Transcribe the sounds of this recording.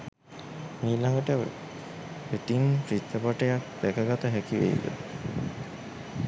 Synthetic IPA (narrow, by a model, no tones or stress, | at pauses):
miːlaŋɡəʈə | eʈinpɾit̪ːəpɔʈejak̚d̪̥ækəɡɔt̪əɦækiʋḛjḭd̪ə̰